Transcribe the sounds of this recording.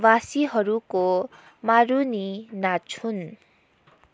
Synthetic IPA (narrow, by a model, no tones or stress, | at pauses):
wasiɦʌɾuko | maɾuninat͡sʰun